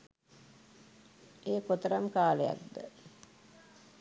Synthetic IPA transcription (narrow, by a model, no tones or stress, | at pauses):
eːkot̪əɾamkaːleja̰k̚d̪ə̰